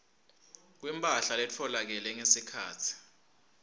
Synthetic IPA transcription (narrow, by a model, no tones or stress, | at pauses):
k̬wimpʼaɬalɛt͡fʰɔlak̬ɛlɛŋesikʰa̰ːtʰi̥